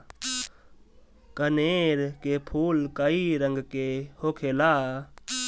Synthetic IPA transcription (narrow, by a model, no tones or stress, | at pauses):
kəneːɾkepʰuːlkəiɾəŋɡkehoːkʰeːlaː